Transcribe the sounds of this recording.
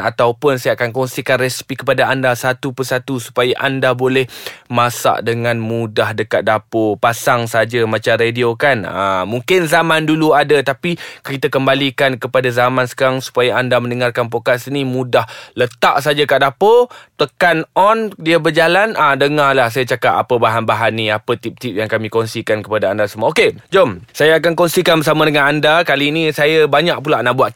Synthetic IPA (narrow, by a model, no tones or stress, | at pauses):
a̰t̪awpʊnsajakankɔŋsikanresi̥pikəpadaandasat̪upərsat̪usu̥pajaʔandabolɛhmasa̰ʔdəŋãnmudaɦdəkat̪̚dapopasaŋsad͡ʒamat͡ʃamrediokana̰muŋkɪnzamãnduluadat̪apikit̪akəmbalikankəpadazamansə̥kaɾaŋsu̥pajaandamə̃ndəŋarkanp̬okasinimudahlət̪aʔs̬ad͡ʒakaʔdapət̪əkanɔndiəbərd͡ʒalanʔadəŋalahs̬ajat͡ʃakap̚a̰pəbaɦanbaɦanːĩapət̪ip̚t̪ip̚jaŋkamĩkɔnsikankəpadaandasəmaoked͡ʒɔmsajaakankɔnsikanbəsamədəŋanandakaliːnĩsajabaɲak̚pulaʔnahbuaʔ̪